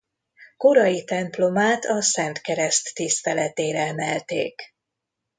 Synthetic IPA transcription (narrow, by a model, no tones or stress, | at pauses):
ko̞ɾɒjit̪ɛmplo̞maːt̪ʰɒsɛnt̪kɛɾɛst̪ːist̪ɛlɛt̪eːɾɛɛmɛlt̪ḛːk